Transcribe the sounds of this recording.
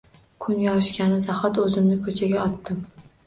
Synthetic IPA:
kʰʊnɡʲaɒɪʃkʲanɪzahɒt̪ɵzɪmnɪkʰɵt͡ʃʰaɡʲaɒt̪ːɪm

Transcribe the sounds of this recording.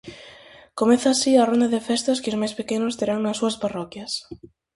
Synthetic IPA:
komẽθaːsiarond̪aðefest̪ɐskɪozmajspekenʊst̪eɾaŋnɐsuɐsparɔkjɐs

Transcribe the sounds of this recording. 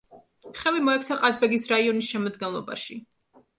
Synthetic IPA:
χɛvimɔɛkʰsʰaqʼazbɛɡisɾaiɔnisʃɛmɔd̪ɡɛnlˠɔba̰ʃi

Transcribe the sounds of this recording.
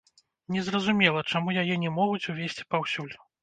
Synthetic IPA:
nʲɛzrɐzumʲɛlˠɐt͡ʂamujajɛnʲɛmɔɣut͡sʲuvʲesʲt͡sʲi̥pawsʲulʲ

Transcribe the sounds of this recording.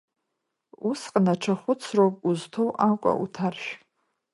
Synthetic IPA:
usqʼənaʈ͡ʂʰaχʷʊt͡sʰrowpʼuztʰowʔakʷʼa̰ʔutʰarʃᶣ

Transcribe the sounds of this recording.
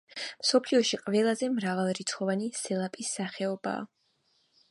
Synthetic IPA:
msɔpʰliɔʃiqʼvɛlˠazɛmɾavalˠɾit̪sʰχɔvanisɛlˠapʼisːaχɛɔba̰ː

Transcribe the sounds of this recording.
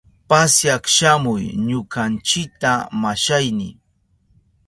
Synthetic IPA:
pasjakʃamʊjɲʊkant͡ʃɪk̚t̪amaʃajnɪ̰

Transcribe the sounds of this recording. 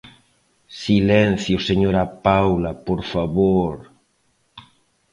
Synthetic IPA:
silɛn̟θjoseɲoɾapawlapoɾfaβoɾ

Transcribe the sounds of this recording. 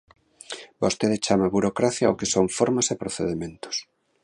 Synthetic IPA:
bost̪eðet͡ʃamɐβuɾokɾaθjaokesoŋfoɾmasepɾoθeðemẽnt̪ʊ̥s

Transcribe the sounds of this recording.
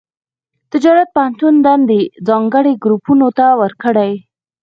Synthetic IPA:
t̪ɪd͡ʒɑɾat̪̚pəhant̪und̪ɑnd̪ed͡zɑŋɡəɽeɡɾupunot̪awəɾkəɽaj

